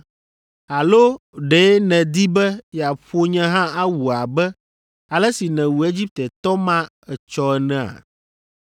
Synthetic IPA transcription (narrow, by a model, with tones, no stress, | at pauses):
a˨lo˦ɖe˨˦nɛ̃˨d̪i˦bɛ˦ja˨ɸo˦ɲɛ̃˦ɦã˦a˦wu˨a˨bɛ˦ | a˨lɛ˦si˨nɛ̃˨wu˨e˦d͡ʑi˦p̚t̪ɛ˨t̪ɔ˦mã˦ | ɛ˨t͡ʃɔ˦ɛ˨nɛ̃˦a̰˨